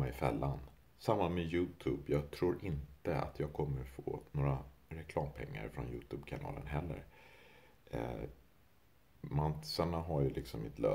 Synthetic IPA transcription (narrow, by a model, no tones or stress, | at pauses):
aɪfɛlːan | samːanmɛjʉ̟ːt̪ʰʉːbjɑːɡ̚t̪ʰɾuːɾʔɪnt̪əa̰t̪ʰjɑːɡ̚kʰɔmːəɾfoːnoːɾaɾɛkʰlɑːmpʰɛŋːa̰ɾfɾɔ̰njʉ̟ːt̪ʰʉːbkʰanɑ̰ːlənɦɛlːə̰ɾ | mansanaɦaɾjəlɪksɔmmɪt̪ʰlœ̰ː